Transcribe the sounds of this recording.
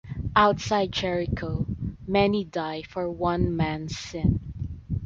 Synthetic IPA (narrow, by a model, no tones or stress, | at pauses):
ʔaʊt̪saɪd̚t͡ʃɛɹɪkʰoʊmɛnidaɪfɔɹwʌ̃nmæ̃nsɪ̃n